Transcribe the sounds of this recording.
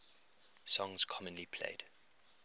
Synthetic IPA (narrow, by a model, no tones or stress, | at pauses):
sɔ̃ŋz̥kʰɔmə̃nlipʰl̥ḛɪd̥